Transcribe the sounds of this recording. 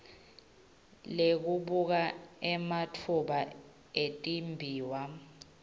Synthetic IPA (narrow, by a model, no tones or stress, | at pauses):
lek̬uɓuk̬aɛmatʰuɓa | etʼimbʱiːwa